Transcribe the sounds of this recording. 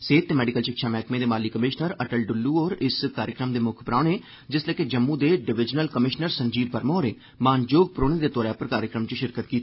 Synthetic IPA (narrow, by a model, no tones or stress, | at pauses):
seːt̪ːeːmɛːɖɪkəlʃɪkʃʰaːmɛːkmẽːd̪eːmaːliːkəmɪʃnəɾəʈəlɖʊlːuːoːɾɪskaːɾjəkɾəmd̪eːmʊkʰpɾaːɳeː | d͡ʒɪsleːkːeːd͡ʒəmːũːd̪eːɖɪʋɪd͡ʒnəlkəmɪʃnəɾsəɲd͡ʒiːbbəɾmõːɾeː | maːnd͡ʒoːɡ̚pɾoːɽẽːd̪eːt̪ɔːɾjaːpəɾkaːɾjəkɾəmt͡ʃəʃɪɾkət̪kiːt̪ː